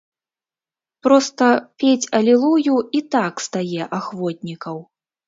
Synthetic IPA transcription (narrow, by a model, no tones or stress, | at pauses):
pɾɔst̪ɐpʲet͡sʲɐlʲilˠujuit̪akst̪ajɛʔaxvɔt̪̚ʲnʲikɐw